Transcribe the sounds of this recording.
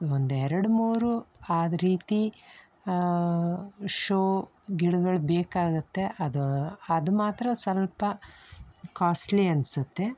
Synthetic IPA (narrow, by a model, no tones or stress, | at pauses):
ond̪uɛɾɐɽumuːɾuaːd̪ɐɾiːt̪i | ʃoː | ɡiɽuɡɐɭbeːkaːɡut̪ːe̞ʔɐd̪uɐd̪umaːt̪ɾɐsɐlpɐ | kaːsʈliɐnsut̪ːe̞